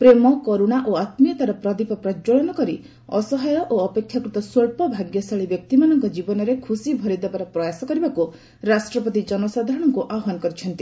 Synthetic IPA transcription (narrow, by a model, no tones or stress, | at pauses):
pɾemɔkoɾuɽ̃aʔoat̪mijɔt̪aɾɔpɾɔd̪ipɔpɾɔd͡ʒoɭɔnɔkɔɾi | ɔsɔɦajɔʔoɔpekʰːjakɾut̪ɔswoɭpɔbʱaɡjɔsaɭibjɔk̚t̪imanɔŋkɔd͡ʒibɔnɔɾekʰusibʱɔɾid̪ebaɾɔpɾɔjasɔkɔɾibaku | ɾasʈɾɔpɔt̪id͡ʒɔnɔsad̪ʱaɾɔɽ̃ɔŋkuʔaɔɦɔnɔkɔɾit͡ʃʰɔnt̪i